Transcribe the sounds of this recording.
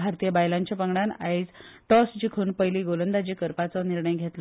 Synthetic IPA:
aɾt̪ijebajlaɲt͡ɕapəŋɽanaid͡zʈɔsd͡ʑikʰuːnpəjliːɡolənd̪ad͡ʑiːkəɾpat͡sɔniɾɳəjɡʱet̪l

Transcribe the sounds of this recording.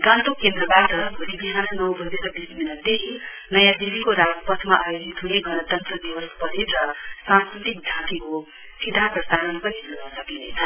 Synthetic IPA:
ɡãnt̪okend̪ɾʌbat̪ʌbʱuɾibiɦanʌnʌwbʱʌd͡zeɾʌbisminad̪eɦʰi | nʌjãd̪ibʱikoɾaɡpʌt̪ʰmaʔajod͡zit̪ɦuneɡʱʌnʌt̪ʌnt̪ɾʌd̪iwʌspʌɾeɾʌsãnskɾit̪ik̚d̪ʱãt̪iko | sid̪ʱaprʌst̪anʌnpʌɾionʌsʌkinḛt͡sʰʌ

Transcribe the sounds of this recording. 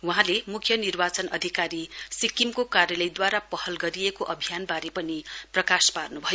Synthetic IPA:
wuɦãlemukʰjʌnirbat͡sʌnʌd̪ʱikaɾisikimkokarjʌlʌjd̪waɾapʌhʌlɡʌɾijekoʔʌbʱijanbaɾepʌniprʌkasparnubʱʌjo

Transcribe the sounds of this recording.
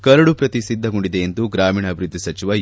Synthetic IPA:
kɐɾɐɽupɾɐt̪isid̪ʱːɐɡoɳɖid̪e̞ːnd̪uɡɾaːmiːɳɐːbʱiɾud̪ʱːisɐt͡ʃiʋɐ

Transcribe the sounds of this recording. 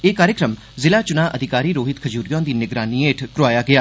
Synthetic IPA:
eːkaːɾjəkɾəm | zɪlaːt͡ʃʊnaːʔəd̪ʱɪkaːɾiːɾoːɦɪt̪kʰəd͡ʒuːɾjõːd̪iːnɪɡɾaːniːeːʈʰkɾʊaːjaːɡɪaː

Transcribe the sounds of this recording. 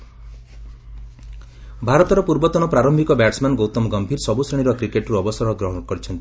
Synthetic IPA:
bʱaɾɔt̪ɔɾɔpuɾbɔt̪ɔñɔpɾaɾɔmbʱikɔbaʈsmanɡowt̪ɔmɡɔmbʱiɾsɔbusɾeɽ̃iɾɔkɾikeʈɾuɔbɔsɔɾɔɡɾɔɦɔɽɔkɔɾit͡ʃʰɔnt̪i

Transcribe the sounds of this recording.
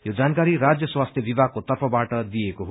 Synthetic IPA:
jod͡zankaɾiɾad͡zjʌswast̪ʰjʌbibʱaɡ̚kot̪ʌrpʰʌbaʈʌd̪ijekoɦo

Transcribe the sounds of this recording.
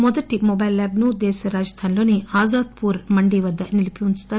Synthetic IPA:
mɔd̪ɐʈimɔbɐjlːaːbnud̪ɛːʃɐɾaːd͡ʒd̪ʰʱaːnlo̞ːniaːzaːd̪̚puːɾmɐɳɖiʋɐd̪ːɐnilipiunst̪aːɾ

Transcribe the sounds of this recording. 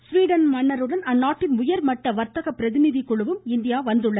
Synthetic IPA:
sʋiːɽɐnmɐɳːɐɾɯɽɐnɐnːaːʈːɪnʊjɐɾmɐʈːɐʋɐɾt̪ɐɣɐpːɪɾɐðɪnɪðikːɔɭɯʋɯmɪnd̪ɪjaːʋɐnd̪ɯɭːɐ

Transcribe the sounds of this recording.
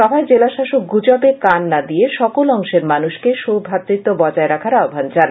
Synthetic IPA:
ʃɔbʱaed͡ʑelaʃaʃok̚ɡud͡ʑabekanːad̪ijeʃɔkolɔŋʃeɾmanuʃkeʃobʱat̪ːɾit̪ːobɔd͡ʑaeɾakʰaɾaobʱand͡ʑan

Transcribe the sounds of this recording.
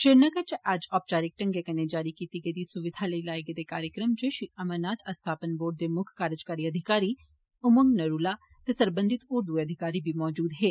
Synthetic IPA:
ʃeɾnəɡəɾt͡ʃʔad͡ʒɔːp̚t͡ʃaːɾɪk̚ʈɐ̃ŋɡekɐned͡ʒaːɾikiːt̪iɡəd̪isʊʋɪd̪ʱaləilaːjɡed̪ekaːɾjəkɾəmt͡ʃeʃiɐmənaːt̪ʰɐst̪ʰaːpənboːɖ̚d̪emʊkʰkaːɾəd͡ʒkaːɾiɐd̪ʱɪkaːɾi | ʊməŋɡnɐɾuːla | t̪esɐɾbə̃nd̪ʱɪt̪ʊɾd̪ueɐd̪ʱɪkaːɾibʱimɔːd͡ʒuːd̪ɦeː

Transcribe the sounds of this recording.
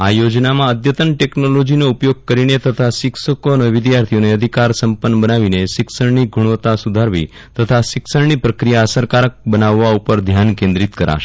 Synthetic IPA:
ajod͡ʒnamãəd̪jət̪ənʈeknolod͡ʒinoupjoɡ̚kəɾinet̪ət̪ʰaʃɪksəkoneʋɪd̪jaɾt̪ʰijoneəd̪ʱikaɾsəmpənːbənaʋineʃɪksəɽniɡʱuɽʋət̪asud̪ʱaɾʋḭ | t̪ət̪ʰaʃɪksəɽnipɾəkɾijaəsəɾkaɾək̚bənaʋːaupəɾd̪ʱjankẽnd̪ɾit̪kəɾa̰ʃe

